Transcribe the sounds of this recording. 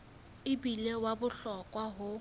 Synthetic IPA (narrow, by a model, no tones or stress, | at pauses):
ɪbilewabʊɬɔkʼwaɦʊ